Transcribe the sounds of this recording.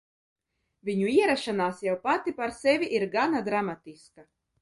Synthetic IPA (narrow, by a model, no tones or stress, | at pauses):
vʲiɲuiɛɾaʃanaːsjawpat̪ipaɾsɛvʲiʔiɾɡanad̪ɾamat̪iska